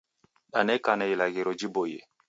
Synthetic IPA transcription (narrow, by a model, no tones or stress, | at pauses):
ɗanekanajilaɡeɾod͡ʒibojḛ